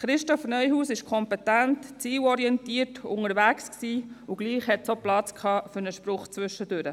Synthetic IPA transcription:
χɾɪʃtɔfnœjɦuːsɪʃkʰɔmpɛtæntt͡siːwɔɾiɛntiːərtʊ̰ŋəɾʋæksksiːuɡ̥liːχhɛt̪soplɑt͡skʰɑːfʏɾnəʃpɾʊχt͡sʋʏʃːəd̥øɾə

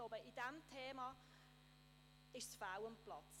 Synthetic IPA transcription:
oːbəʔidɛmtʰeːma | ɪʃsfawənpʰlɔt

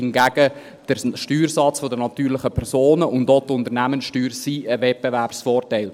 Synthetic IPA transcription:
ɪnɡæɡ̥ə | d̥əʃtyːɾsɑt͡sfodənɑt̪yːɾlɪχəpʰɛɾsoːnəʔʊndotʊnt̪əɾnæmənsʃtyːɾsiəvɛt̚beværpsfoːɾtɛɪl

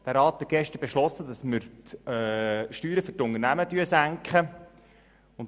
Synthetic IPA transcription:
d̥æɾɑːt̪hɛt̚ɡ̥ɛʃtəɾbeʃlɔsːədɑsməɾtː | ʃtyːɾəfʏrtʊnərnæmətyəsæŋkχə | ʊn

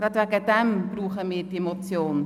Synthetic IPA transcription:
ɾɑtvɛɡəd̥ɛmb̥ruːχəmiːɾdiemot͡sjoːn

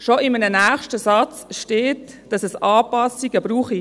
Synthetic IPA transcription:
ʃoɪmənənæːχʃtəsɑt͡sʃteːt | d̥ɑsɛsɑːpɑsiɡəb̥ɾuːχi

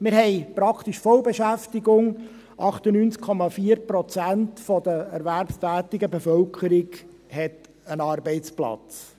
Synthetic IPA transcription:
mɪɾɦɛɪpɾɑkʰt̪iʃfɔlbeʃæftiɡʊŋ | ʔɑχt̪ənyːnt͡skʰɔmɑfiːəɾpɾɔt͡sæntfɔd̥̪əɛɾvæɾpstæːtɪɡəbefœlkχəɾɪɡ | hɛt | ənɑːɾbɛɪt͡splɑ̰t͡s

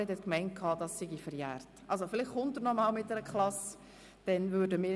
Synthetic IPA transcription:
ɛdɛtkmɛɪnt̚kʰɑːdɑsːɪɡifɛɾjæːrtʔɑls̬ofɪlɪχχʊntənɔmɑːlmɪt̚d̥ɛɾəkʰlɑs | d̥ɛnvʏːɾdəmɪː

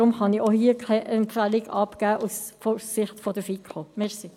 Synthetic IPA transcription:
ʁʊmχɑniohiːəkʰaɪʔɛmpfælɪɡɑpɡ̥æːʔusfosɪχtfɔdəfikχomɛsi

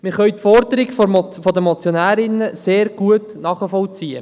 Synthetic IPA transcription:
mɪɾχœʏtfɔɾdəɾɪɡffɔdəmɔt͡sjɔnæːɾɪnəseːɾɡ̥uətnɑːχəfɔlt͡siːə̰

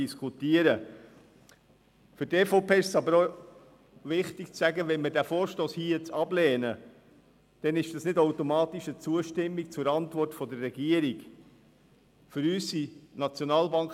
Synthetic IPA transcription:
iskut̪iəɾə | fʏɾteːfoʊpeːɪʃsɑbəɾo | ʋɪχtikt͡sæɡəʋɛnmədæːfoːɾʃtoːshiət͡sɑblɛːnə | d̥ɛnɪʃd̥ɑsnɪdowtomɑːt̪iʃət͡suəʃtɪmːik̚t͡sʊɾɑnt̪vʋɔrtfɔdərrːɛɡiəɾik | fʏɾyːsinɑt͡sjɔnɑːlbɑŋk

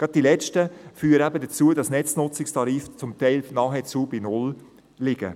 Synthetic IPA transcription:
ɡ̥ɾɑt̚d̥ilɛt͡ʃtəfyːɾəæbədət͡suːədɑsnɛt͡snʊt͡sɪkstɑɾiːft͡sʊmtɛɪlnɑːχɛt͡suːbinʊl | lɪɡ̥ə̰

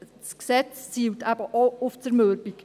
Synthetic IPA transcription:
sksɛt͡st͡siːwtʰæb̥əʔɔʊft͡səɾmøɾbik

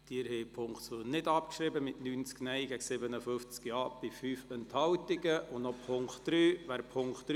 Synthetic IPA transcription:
d̥iːɾheɪpʰʊŋkχtsonɪdɑpkʃɾɪbəmɪtnyːnt͡sknɛɪɡæɡ̥sɪbənəfɵft͡skiɑːb̥ɪfyːfɛnthɑwtɪɡəʔʊnnɔpʰʊŋkχtd̥ɾyːʋæːɾpʰʊŋkχtːɾ

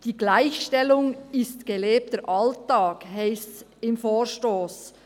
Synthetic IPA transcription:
d̥iːɡlaɪçʃtɛlʊŋɪstɡ̥eleːp̚təɾʔɑltɑːkhaɪst͡sɪmfoːɾʃtoːs

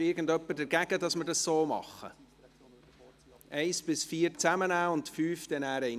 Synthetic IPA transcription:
ɪɾɡən̩dœpːəɾdəɾɡæɡ̥ədɑsməɾdɑssoːmɑ̰χːə̰ | ʔɛɪsb̥ɪsfiːɾt͡sæmənæːʊntfyːfd̥̪ɛnæːɾɛ

